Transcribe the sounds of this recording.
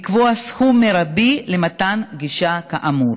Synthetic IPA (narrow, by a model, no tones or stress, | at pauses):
kvoasxumːeɾabilemat̪anɡiʃakaʔamuɾ